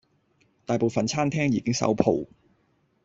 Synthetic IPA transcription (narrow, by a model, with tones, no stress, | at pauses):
t̪aː˨jpo˨wfɐ˨nt͡sʰaː˥nt̪ʰɛː˥ŋjiː˨kɪ˥ŋsɐ̰˨˥wpʰo̰˨w